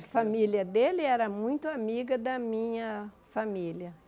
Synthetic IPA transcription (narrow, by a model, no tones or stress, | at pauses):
familjɐd̪elɪɛɾɐmũj̃t̪ʊamiɡɐd̪ɐmĩɲɐ | familjɐ